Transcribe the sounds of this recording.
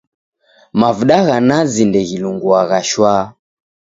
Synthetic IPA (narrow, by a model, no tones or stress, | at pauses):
mavuɗaɣanazindɛɣiluŋɡuaɣaʃwaː